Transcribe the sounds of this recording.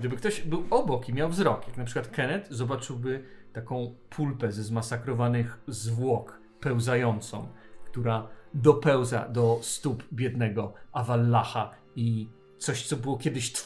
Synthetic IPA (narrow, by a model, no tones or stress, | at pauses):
ɡd̪ɘbɘkt̪ɔɕbɘwɔbɔkimʲjawvzɾɔkjaknapʂɘ̥kwat̪kɛnɛt̪zɔbat͡ʂɘwbɘt̪akɔ̃w̃pʰulpɛzɛzmasakɾɔvanɘxzvwɔk | pɛwzajɔnt̪sɔ̰̃w̃kt̪uɾad̪ɔpɛwza̰d̪ɔst̪upbʲjɛd̪nɛɡɔavalːaxa | i | t̪sɔɕt̪sɔbɘwɔkʲjɛd̪ɘɕt̪